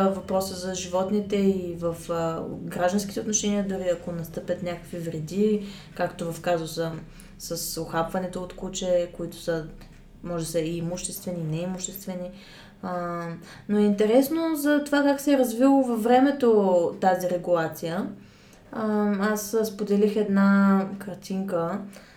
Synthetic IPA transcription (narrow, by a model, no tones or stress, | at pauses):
vɐpɾɔsəzɐʒivɔt̪nit̪ɛivəfɡɾaʒd̪ɐnskʲit̪ɛot̪noʃɛniəd̪ʊɾiɐkonɐst̪ɤpʲət̪nʲakəkvivɾɛd̪i | kakt̪ovɐfkazəwsə | sɐsoxapvɐnɛt̪oːt̪kut͡ʃɛkoit̪ʊ̥sə | mɔʒɛsəiːmuʃt̪ɛst̪vɛninɛimʊʃt̪ɛst̪vɛni | noɛint̪ɛɾɛsnozɐt̪ovakaksɛːɾɐzvilˠovɐvːɾɛmɛt̪ot̪aziɾɛɡulˠat̪sijə | asspod̪ɛlixɛd̪nakɐɾt̪iŋkə